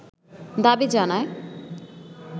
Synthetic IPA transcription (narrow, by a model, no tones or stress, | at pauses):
d̪abid͡ʑanae